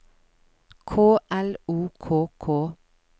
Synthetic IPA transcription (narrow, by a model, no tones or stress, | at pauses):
kʰoːʔɛluːkʰoːkʰoː